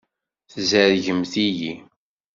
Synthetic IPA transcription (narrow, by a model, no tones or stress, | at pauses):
θzəɾʝəmθiji